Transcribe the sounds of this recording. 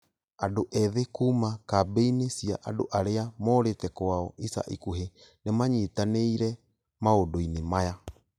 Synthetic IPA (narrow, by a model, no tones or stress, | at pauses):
adoʔɛðekumakabejnesiaʔadoʔaɾeamoɾetɛkoaɔʔisa̰ʔikuɦenemaɲitaneiɾɛ | maodoinemaja